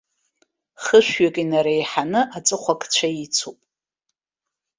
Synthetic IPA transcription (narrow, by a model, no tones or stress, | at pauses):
χəʃᶣɥakʼinaɾejħanɨʔat͡sʼɨχʷakʼʰt͡ɕʷʰait͡sʰupʼ